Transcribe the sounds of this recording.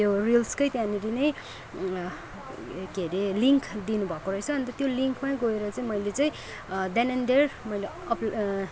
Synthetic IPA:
orilskʌjt̪jãniɾinʌj | ɡeɾeliŋkʰd̪inubʱʌkoɾʌɦet͡sʰʌʌnt̪ʌt̪joliŋkmajɡʌeɾʌt͡saĩmʌjlet͡saĩ | d̪ananɖermʌjle | ʌp

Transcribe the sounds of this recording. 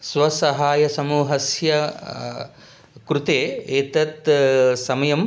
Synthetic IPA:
sʋɐsɐɦaːjɐsɐmuːɦɐsjɐ | kɾut̪eːeːt̪ɐt̪sɐmɐjɐm

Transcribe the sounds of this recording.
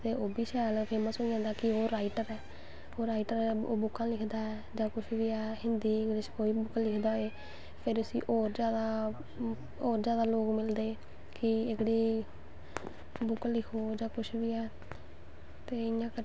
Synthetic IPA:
t̪eːʔoːbiːʃɛːlpʰeːməsɦoːid͡ʒãːnd̪aːkɪoːɾaːiʈəɾɛː | oːɾaːiʈəɾo̰ːbʊkːãːlɪkʰd̪aːɛːd͡ʒãːkʊʃʰʋiːɛːhɪnd̪iːɪɡɽiskoːiːbʊklɪkʰd̪aːɦoeː | pʰɪɾʊsḭ̃ːʔoːɾd͡ʒjaːd̪aː | oːɾd͡ʒjaːd̪aːloːkmɪld̪eː | kɪɪɡɽiː | bʊklɪkʰoːd͡ʒãːkʊʃʰbiːɛː | t̪eːɪjãːkə

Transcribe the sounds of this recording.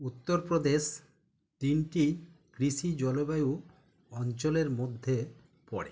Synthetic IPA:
ut̪ːoɾpɾod̪es | t̪inʈikɾisid͡ʑɔlobaju | ɔnt͡ɕoleɾmod̪ʱːe | pɔɽe

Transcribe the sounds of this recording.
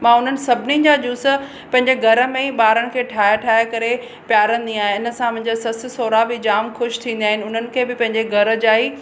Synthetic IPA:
mãːʊn̤ənɪ̆sɐbʱnid͡ʑad͡ʑuːsə | pɐ̃ɦɪ̃ɲd͡ʑeɡʱɐɾə̆mẽɓaːɾəɽɪ̆kʰeːʈʰaːɦaʈʰaːɦjakɐɾe | pjaːɾə̃nɪ̆d̪ĩaːɦẽɪnə̆sãpɐ̃ɦɪ̃ɲd͡ʑasɐsɪsoːɾabɪd͡ʑaːmxʊʃt̪ʰĩːn̆d̪aːɦɪnɪʊn̤ənɪ̆kʰeːbɪpɐ̃ɦɪ̃ɲd͡ʑeɡʱɐɾə̆d͡ʑaːɦi

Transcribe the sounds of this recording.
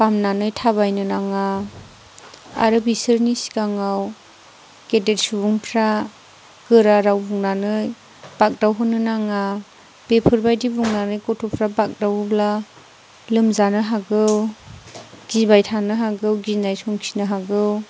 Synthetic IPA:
pamnanɯjtʰaβajnɯnaŋa | a̰ɾɯbisɯɾnisi̥ɡaŋaw | kedeɾsubuŋpʰɾa | ɡ̥ɯɾaɾawbuŋnanɯj | b̥ak̚dawɦɯnːɯnaŋa | b̥epʰɯɾbajdibuŋnanɯjkɔtʰɔpʰɾabak̚dawɯbla | lɯmzanɯɦaɡɯw | ɡ̥ibajtʰanɯɦaɡɯwɡinajsɔŋkʰi̥nɯɦaɡɯw

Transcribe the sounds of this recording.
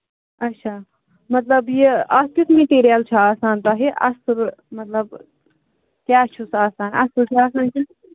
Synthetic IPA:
ɐʃʰaː | mɐt̪lɐbjiɐst̪it̪meʈeːɾijaːlt͡ʃʰɐaːsaːnt̪aːɦeʔɐ̰sɨɾmɐt̪lɐb | t̪jaːt͡ʃʰusaːsaːnɐ̰sɨɾt̪ʲiaːsaːnkʲin

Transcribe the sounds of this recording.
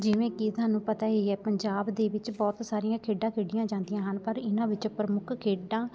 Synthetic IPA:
d͡ʒɪʋẽːkit̪ʰʊaːnũːpət̪aːɦiːɛːpəɲd͡ʒaːbd̪eːʋɪt͡ʃbɔːt̪saːɾijãːkʰeːɖãːkʰeːɖɪjãːd͡ʒãːnd̪ɪjãːɦənpəɾɪnãːʋɪt͡ʃpɾəmʊkʰkʰeːɖãː

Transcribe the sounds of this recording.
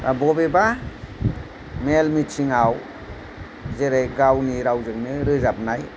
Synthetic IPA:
abɔbeba | melmitt͡ʃiŋaw | zeɾejɡawniɾawzɯŋnɯɾɯzap̚naj

